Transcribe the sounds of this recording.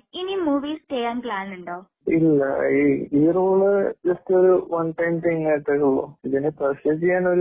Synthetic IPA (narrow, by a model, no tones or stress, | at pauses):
inimuːʋiːsʈeːjanklaːnuɳɖoː | ilːɐ̰iijiruːɭɨd͡ʑɐstoɾuʋɐnʈɐjmt̪iŋkaːjʈːekːuɭːo̰ːiðinepɐɕɐd͡ʑejaːnoɾu